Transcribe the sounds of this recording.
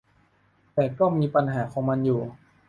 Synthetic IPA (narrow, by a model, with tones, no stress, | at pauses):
t̪ɛː˨˩kɔː˥˩miː˧pa˧nɦaː˩˦kʰɔː˩˦ŋma˧njuː˨˩